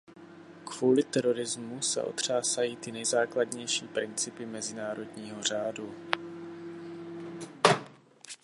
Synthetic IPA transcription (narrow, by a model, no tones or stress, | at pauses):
kvuːlɪt̪ɛɾo̞ɾɪzmusɛ̰ʔo̞̰t̪r̝̥aːsajiːt̪ɪnɛjzaːkladɲɛjʃiːpɾɪnt͡sɪpɪmɛzɪnaːɾo̞dɲiːɦo̞r̝aːdu